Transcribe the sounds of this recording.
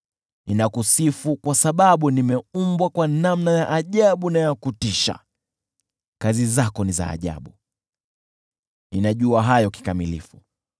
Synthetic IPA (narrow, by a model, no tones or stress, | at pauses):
inakusifukwasaɓaɓunimɛumbwakwanamnajaʔaʄaɓunajakutiʃa̰ | kazizakɔniza̰ːʄa̰ɓu | ninaʄuaɦajɔki̥kamilḭfu